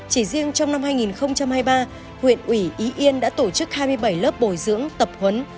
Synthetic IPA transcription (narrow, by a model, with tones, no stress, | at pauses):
t͡ɕi˧˩zi˧əŋt͡ɕɔ˧wŋ͡mna˧mhaː˧jŋi˨˩nxə˧wŋ͡mt͡ɕa˧mhaː˧jɓaː˧ | hwḭ˧˨ənʔwi˧˩ʔi˨˦ʔi˧ənɗa̰ː˧˥t̪o˧˩t͡ɕɨ˦˥k̚haː˧jmɨ˧əjɓə˧˩jləː˦˥p̚ɓo˧˨˩jzɨ̰˧˥əŋt̪ə˨˩p̚hwə˨˦n